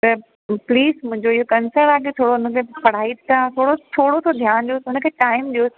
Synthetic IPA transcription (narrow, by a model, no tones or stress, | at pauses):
t̪ɐ | pliːzmʊ̃ɦɪ̃ɲd͡ʑoɪɦokɐnsəɾnaːket̪ʰoːɽoʊnə̆kʰepɐɽ̤aːit̪t̪ʰat̪ʰoːɽot̪ʰoːɽot̪ʰod̪ʱjaːnd͡ʑoːʊnə̆kʰeːʈaːɪmɗo